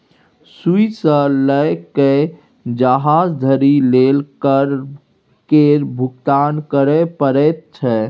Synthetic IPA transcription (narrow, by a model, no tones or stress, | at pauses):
suisə̃ləjkə | d͡ʒəɦad͡ʒd̪ʱəɾilelkəɾ | keɾbʱuɡt̪ankəɾɛpəɾɛt̪̚t͡ʃʰɛ